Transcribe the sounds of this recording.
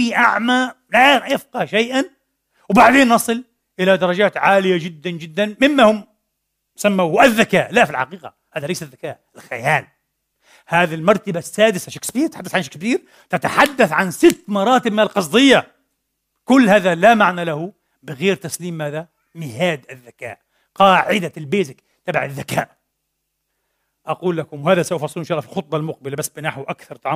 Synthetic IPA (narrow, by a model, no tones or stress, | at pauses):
iʔaʕma | lajɪfqɑʃajʔan | wbaʕd̪eːnːɑsˤɨl | ʔɪlad̪ɑɾˤɑd͡ʒaːt̪ʕaːlɪjad͡ʒɪd̪ːand͡ʒɪd̪ːanmɪmːahʊm | samːawhʔaðːakaːʔlaʔfilħa̰qiːqa̰ | haːðalajsaðːakaːʔɪlxajaːl | haːðalmɑɾˤt̪abasːaːd̪ɪsaʃakkbiːɾt̪ħad̪ːasʕanʃakb̪iːɾ | t̪ɪt̪aħad̪ːaθʕansɪt̪ːmɑɾˤɑːt̪ɪb̚mɪnɪlqɑs̬ˤd̪ˤɨjːa | kʊlːhaːðalamaʕnalahʊ | bɪɣeːɾt̪asliːmːaːða | mɪhaːd̪ɪðːaka̰ːʔ | qɑːʕɪd̪aɪlbeːzɪk | t̪abʕɪ̰ðːakaːʔ | ʔɑquːlːakʊmwhaːðasaʔʊfɑsˤːɨlːnʃɑːlːɑfilxʊt̪̚ˤbɑlmʊq̚bɪlabasːbɪnaħwʔakθɑɾˤt̪ˤɑʕɑ